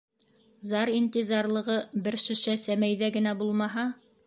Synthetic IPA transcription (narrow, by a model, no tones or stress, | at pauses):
zɑɾint̪ʲizɑɾlˠɤ̆ʁɤbɘ̆ɾʃɘ̆ʃæsæmæjðæɡɘ̆næbulˠmɑɦɑ